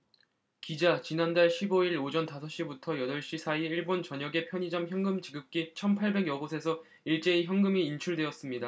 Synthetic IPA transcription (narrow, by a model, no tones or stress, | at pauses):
kid͡ʑat͡ɕinandaɭɕʰiboiɭod͡ʑʌntasʰʌɕ͈ibutʰʌjʌdʌɭɕ͈isʰaiiɭbont͡ɕʌɲʌɡe̞pʰjʌɲid͡ʑʌmçjʌŋɡɯmt͡ɕiɡɯp̚k͈it͡ɕʰʌnpʰaɭbe̞ɡjʌɡosʰe̞sʰʌ | iɭt͡ɕ͈e̞içjʌŋɡɯmiːnt͡ɕʰuɭdwe̞ʌs͈ɯmɲida